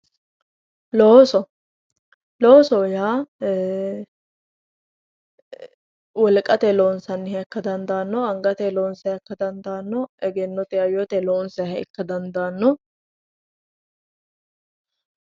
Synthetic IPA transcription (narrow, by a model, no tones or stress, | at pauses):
loːsɔ | loːsɔjaː | wɔlkʼːɐt̪ɛloːnsɐnːɪhɐkːɐd̪ɐnd̪aːnːɔɐŋɡɐt̪ɛloːnsɐɪkːɐd̪ɐnd̪aːnːɔʔɛɡɛnːɔt̪ɛɐjot̪ɛloːnsɛhɐɪ̰kːɐd̪ɐnd̪aːnːɔ